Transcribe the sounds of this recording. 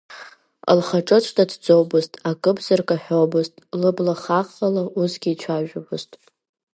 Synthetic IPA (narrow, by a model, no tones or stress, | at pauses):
a̰lχaʈ͡ʂʼɨt͡ʃʷʰʼtʼadd͡zowbɨztʼakʼɨbzɨrkʼaħᶣowbɨztʼlɨblaχaχalaʔusɡʲiːt͡ʃʷʰaʒᶣʊbɨztʼ